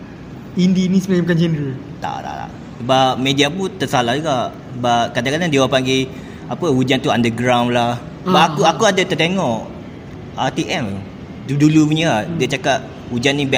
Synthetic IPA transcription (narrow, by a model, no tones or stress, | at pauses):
indinisəmad͡ʒamkand͡ʒənɾə | t̪a̰ʔt̪a̰t̪a̰ʔ | səbap̚mediaput̪əsalahd͡ʒuɡaʔ | səbap̚kadãkadaŋdiawapaŋɡe | apəhud͡ʒant̪uandəɡɾawnlah | əbaakuakuadat̪ərt̪eŋɔʔ | ʔat̪iʔɛm | dudulupuɲəaʔdiat͡ʃakaʔ̚ | hud͡ʒanːĩbɛ